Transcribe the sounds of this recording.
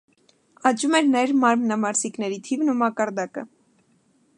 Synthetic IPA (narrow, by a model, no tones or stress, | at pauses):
ɑt͡ʃumɛɾnɛɾmɑɾmnɑmɑɾziknɛɾit̪ʰivnumɑkɑɾd̪ɑkə̰